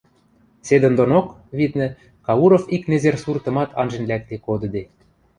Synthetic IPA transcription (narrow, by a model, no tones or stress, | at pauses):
sed̪ə̆nd̪onok | βid̪nɘ̆ | kɑuɾofiknezersurt̪ɤ̆mɑt̪ʰɑnʒĕnlʲæk̚t̪ekod̪ɤ̆d̪e